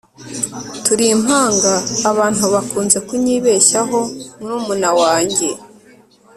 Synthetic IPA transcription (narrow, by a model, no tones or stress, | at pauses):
tuɾim̥haːŋɡaːβaːn̥uβakuːnze̞kuɲiːβeːʃaɦo̞muɾuːmunawaːɲɟe̞